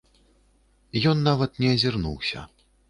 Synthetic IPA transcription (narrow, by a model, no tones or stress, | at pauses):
jɔnːavɐt̪nʲɛɐzʲirnṵwsʲɐ̰